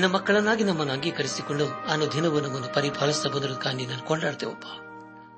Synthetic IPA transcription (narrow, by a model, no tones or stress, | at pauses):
inːɐmɐkːɐɭɐnːaːɡinɐmːɐnːuɐŋɡiːkɐɾisikoɳɖuaːnud̪ʱinɐʋunɐmːɐnːupɐɾibʱɐːɭɐst̪ɐbɐnd̪iɾɐd̪ukaːɳɖinaːnukɔɳɖaːɽt̪ḛʋɐpːḁ